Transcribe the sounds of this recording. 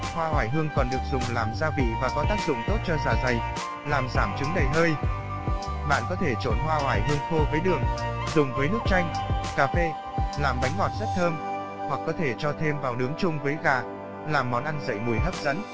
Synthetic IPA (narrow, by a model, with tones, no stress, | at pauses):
hwaː˧hwaː˧˩jɦɨ˧əŋkɔ˨˩nɗɨ˨˩ək̚zʊ˨˩ŋ͡mlaː˨˩mzaː˧vḭ˧˨vaː˨˩kɔ˨˦t̪aː˦˥k̚zʊ̰˧˨ŋ͡mt̪o˦˥t̚t͡ɕɔ˧zaː˧˩za˨˩j | laː˨˩mzaː˧˩mt͡ɕɨ˨˦ŋɗə˨˩jɦəː˧j | ɓa̰ː˧˨nkɔ˨˦t̪ʰe˧˩t͡ɕo˧˩nɦwaː˧waː˧˩jɦɨ˧əŋxo˧vəː˨˦jɗɨ˨˩əŋzʊ˨˩ŋ͡mvəː˨˦jnɨ˦˥ək̚t͡ɕa˧jŋ̟kaː˧fe˧ | laː˨˩mɓa˨˦jŋ̟ŋɔ˨˩t̚z̥ə˦˥t̚t̪ʰəː˧m | hwa˨˩kːɔ˨˦t̪ʰe˧˩t͡ɕɔ˧t̪ʰe˧mvaː˨˩wɗɨ˨˦əŋt͡ɕʊ˧ŋ͡mvəː˨˦jɣaː˨˩ | laː˨˩mːɔ˨˦nʔa˧nzə̰˧˨jmu˨˩əjt̪ə˦˥p̚zə̰˧˥n